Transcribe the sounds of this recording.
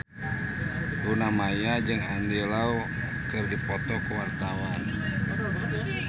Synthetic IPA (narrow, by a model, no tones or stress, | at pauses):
ɾunamajad͡ʒɨŋandelau | kɨrdipɔt̪ɔkuwart̪awan